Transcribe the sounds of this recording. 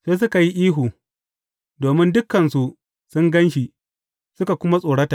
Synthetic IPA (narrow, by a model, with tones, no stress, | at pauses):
seː˦s̬ʊ˦ka˨ji˦ʔiː˦ɦuː˨ | doː˨mɪ˦ndʊ˦kːɐ˨nsu˦ʔ | sʊ˦ŋɡɐ˦nʃi˨ | sʊ˦ka˨kʷʊ˦ma˦sʼoː˨ɽɐ˦ta˨ʔ